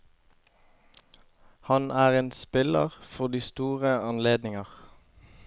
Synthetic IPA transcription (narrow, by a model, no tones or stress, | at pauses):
hɑnʔæːʁeːnspɪlə̰ʁfɔʁd̪iːst̪uːʁəɑnleːd̪nɪŋəʁ